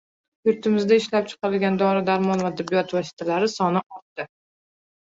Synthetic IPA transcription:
jʊɾt̪ʰɪmɪzd̪aɪʃlap̚t͡ʃʰɨ̥qʰɑɾɪlɡʲand̪ɒɾɪd̪aɾmɒnvad̪ɪbːijɒt̪vɒsɪ̥t̪ʰalaɾɪsɒnɪʔɒld̪̥ɪ

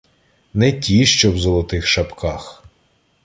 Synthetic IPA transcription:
nɛtʲiʃt͡ʃɔwzɔlˠɔt̪ɪxʃɐpkʰɑx

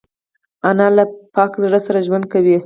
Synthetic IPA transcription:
analapɑkzɽəsaɾaʒwand̪̚kawi

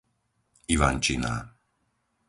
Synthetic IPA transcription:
iʋant͡ʃina̰ː

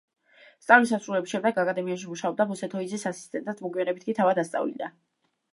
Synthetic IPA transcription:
st̪sʼalmisasɾulɛbisʃɛmd̪ɛɡakʼad̪ɛmianʃ̬imuʃaɔb̚d̪abɔsɛt̪ʰɔid̪zisasist̪ʼɛnt̪sasmɔɡiɛnɛbit̪kit̪ʰavad̪ast̪sʼa̰vḭid̪a

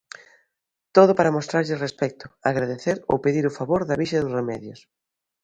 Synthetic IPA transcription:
t̪oðʊpaɾɐmost̪ɾaɾʎɪrespɛk̚t̪ʊaɣɾaðeθeɾo̰wpeðiɾʊfaβoɾðɐβiʃɐðʊsremɛðjʊs

